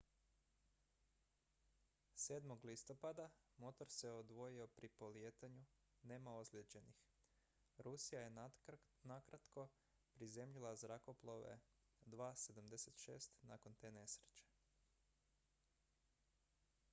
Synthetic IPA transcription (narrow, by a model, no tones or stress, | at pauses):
se̞ːd̪mo̞ɡlist̪o̞pad̪amo̞t̪oɾse̞od̪ʋo̞jio̞pɾipo̞lijeːt̪aɲu | ne̞ːmao̞zlʲed͡ʑe̞nix | ɾusijaje̞ | nakɾat̪ko̞ | pɾize̞mʎilˠazɾako̞plˠoʋḛ | d̪ʋaːse̞d̪amd̪e̞se̞t̪ʃe̞̰ːst̪na̰ko̞nt̪e̞ːne̞sɾe̥t͡ɕe̥